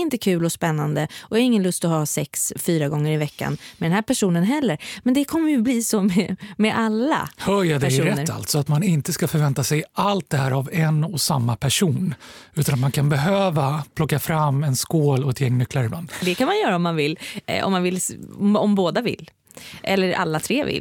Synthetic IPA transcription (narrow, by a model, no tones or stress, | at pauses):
ɪnt̪əkʰʉ̟ːlɔspɛnːand̪əʔɔhaɾɪŋːənlɵst̪ɔhɑːsɛksfyːɾaɡɔŋːəɾɪvɛkːa̰nmɛd̪ɛnɦæːɾpʰæʂuːnənɦɛlːəɾmɛnd̪ɛkʰɔmːəjɵbliːsɔmɛmɛʔalːa̰hœɾjɑd̪ɛæʂuɾɛt̪əɾːa̰lt̪sɔat̪manɪnt̪əskafœɾvɛnt̪asɛjalt̪̚d̪ɛhæːɾavɛnɔsamːapʰæʂuːnʉ̟ːt̪anat̪mankʰanbɛɦøːvapʰlɔkːafɾamːɛnskoːlɔɛt̪jɛŋːnʏkʰːlaɾɪbla̰nːd̪ɛkʰanmanjœːɾaɔmːanvɪlːɔ̰mːanvɪlɔmboːd̪avɪ̰lː | ʔɛ̰lːəɾa̰lːat̪ʰɾeːvɪ̰l